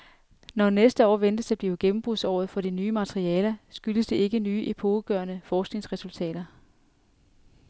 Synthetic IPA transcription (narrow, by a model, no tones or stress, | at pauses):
nɒnesd̥əɒ̰ːʋend̥əsæb̥liːʊɡ̥emm̩b̥ʁuðˠsɒ̰ːð̩ˠfɒ̽ɾ̥inyːmæt͡sʰʁiɛːlɐsɡ̥yləsd̥e̝e̝ɡ̥ənyːʔipʰo̝ːɡ̥ɶɐnəfɒːsɡ̥ne̝ŋsʁɛsult͡sʰɛ̰ːɾ̥ɐ